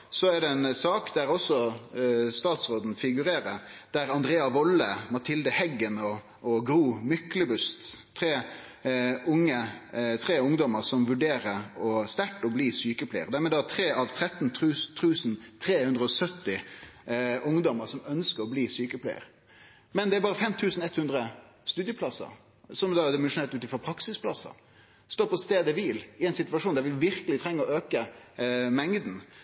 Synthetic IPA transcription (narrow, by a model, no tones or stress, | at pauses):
sɔæɖɛɛnsɑːkd̪æɾɔsɔ | st̪ɑːt̪sʁoːd̪n̩fɪɡʉɾeːɾəd̪̥æɾɑnd̪ɾeːɑʋɔlːəmɑt̪ʰɪld̪əhɛɡːənɔː | ɡɾuːmʏkləbʉst̪ʰː | ɾeː | ʊŋːət̪ʰʁeːʊŋd̪ɔməɾsɔmʋʉɖeːɾəɾɔst̪æʈːɔbliːsyːkəpʰlɛɪə̰ɾd̪æɾmɛːd̪æt̪ʰɾeːʔɑʋt̪ʰɾɛt̪nʰʉːt̪ʰʉːsnt̪ʰɾeːhʉnd̪ʁəɔsœt̪ːɪ | ʔʊŋd̪ɔməɾsɔmœnskəɾɔbliːsyːkəpʰlɛ̰ɪə̰ɾ | mɛnd̪ɛæɾbɑːʁəfɛmt̪ʰʉːsnɛt̪hʉnd̪ɾə | st̪ʉːd̪jəplɑsɑ̰ | sɔmd̪ɑd̪ɪmɛnʂʊnɛːt̪ʉːt̪ɪnfɔʁpʰɾɑksɪspʰlɑsɑ̰ | st̪oːpʰɔst̪eːd̪əʋiːlɪɛɪnsɪt̪ʋɑʂuːnd̪æɾʋɪʋɪɾkəlɪt̪ʰʁɛŋːəɔøːkə | mɛŋd̪n̩